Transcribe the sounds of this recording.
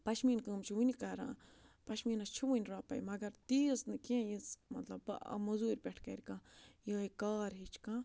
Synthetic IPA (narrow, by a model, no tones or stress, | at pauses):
pɐʃmiːnkɨmt͡ʃʰiʋunʲkɐɾã̰ːpɐʃmiːnɐst͡ʃʰiʋunʲɾaːpɐ̰jmɐɡɐɾt̪iːsnɨkẽjĩsmɐ̰t̪lɐb̰mɐzuːɾʲpʲeʈʰkɐ̰ɾʲkãːjəːikaːɾɦit͡ʃʰkã